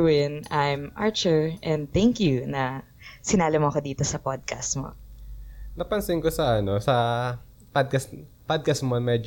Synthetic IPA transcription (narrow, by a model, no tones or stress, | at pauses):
wɪnʔajmʔa̰ɹt͡ʃʊɹʔɛ̃nd̪̚t̪ɛŋkjunɐ | sɪnaːlɪmoɐkod̪iːt̪osɐpod̪̚kɐst̪mo̰ | nɐpɐnsɪŋkosɐʔɐno̞sɐ | pad̪̚kɐspad̪̚kɐst̪̚moɐŋmɛd͡ʒ